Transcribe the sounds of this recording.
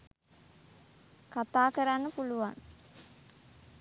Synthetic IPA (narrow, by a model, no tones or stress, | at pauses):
kat̪aːkəɾanːəpuluʋa̰ŋ